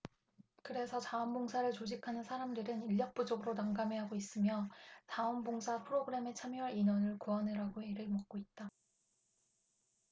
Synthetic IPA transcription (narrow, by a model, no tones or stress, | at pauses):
kɯɾe̞sʰʌt͡ɕaʌmboŋsʰaɾɯɭt͡ɕod͡ʑikʰanɯnsʰaɾamdɯɾɯniʎːʌk̚p͈ud͡ʑʌɡɯɾonaŋɡame̞ɦaɡois͈ɯmjʌt͡ɕaʌnboŋsʰapʰɯɾoɡɯɾe̞me̞t͡ɕʰamiʌɾinʌnɯɭkuanɯɾaɡoeɾɯɭmʌk̚k͈oit̚t͈a